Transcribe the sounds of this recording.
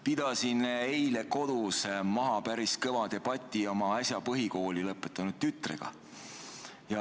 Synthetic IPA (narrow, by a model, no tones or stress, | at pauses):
pid̪̥ɑsinejle̞ko̞d̪̥usmɑɦɑpæɾiskɤvɑd̪e̞b̥ɑt̪ʲːˑio̞mɑɑsʲjɑpɤɦiko̞ːlilɤpːˑet̪ːˑɑnud̪̥̚t̪yt̪ːˑrḛɡ̥ɑ̰ | jɑ